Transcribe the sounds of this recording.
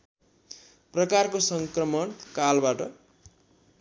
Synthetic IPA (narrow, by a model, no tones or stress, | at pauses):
prʌkarkosʌŋkrʌmʌɳkalbaʈʌ